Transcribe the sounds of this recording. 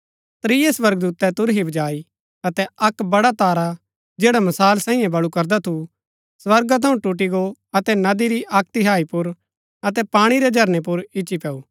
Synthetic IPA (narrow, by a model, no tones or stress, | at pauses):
t̪ɾiːjesʋɐɾɡ̚d̪uːt̪ɛt̪ʊɾɦibʱɐd͡ʒaːi | ɐt̪ɛɐkbɐɽat̪aːɾa | d͡ʒeːɽamɐsaːlsãːĩjẽbɐɭukɐɾd̪at̪ʰu | sʋɐɾɡat̪ʰɐũʈʊʈ̬iɡoɐt̪ɛnɐd̪iɾiʔaːk̚t̪ɪɦaːipʊɾ | ɐt̪ɛpaːɽ̃iɾɛd͡ʒʱɐɾnepʊɾɪt͡ʃipɛːuː